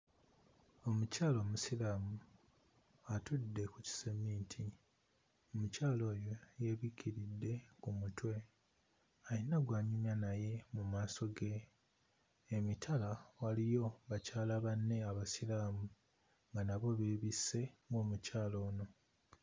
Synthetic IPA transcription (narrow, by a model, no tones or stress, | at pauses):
o̞mucaːlo̞ːmusilaːmu | atudːe̞kuci̥semiːtʰi | omucaːlo̞ːjo̞je̞βicʰiɾidːe̞kumutwe̞ | ainaɡwaːɲumjanaje̞mumaːso̞ɡe̞ | mitʰalawalijo̞βacaːlaβanːe̞aβasilaːmu | ŋɡanaβo̞βeβise̞ŋɡo̞ːmucaːlo̞ːno̞